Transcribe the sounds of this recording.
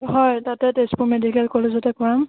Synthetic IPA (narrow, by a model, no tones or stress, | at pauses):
hɔjtatɛtespuʊmedikɛlkɔlezɔtɛkɔɹam